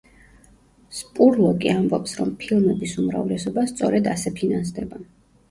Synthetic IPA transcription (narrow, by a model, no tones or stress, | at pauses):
spʼuɾlˠɔkʼiambɔpsɾɔmpʰilˠmɛbisumɾa̰vlɛsɔbast̪sʼɔɾɛd̪asɛpʰinans̬d̪ɛba